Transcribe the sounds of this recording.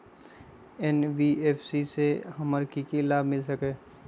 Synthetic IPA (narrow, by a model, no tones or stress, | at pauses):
ɛnʋieːfsisehɐməɾkikilaːbmɪlsɐkeː